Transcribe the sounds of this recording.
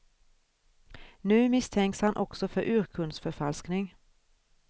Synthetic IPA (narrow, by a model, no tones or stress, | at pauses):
nʉːmɪst̪ʰɛŋkshɑnʔɔksɔfɔɾʔʉːʁkʰʉnsfɔfɑlsknɪŋ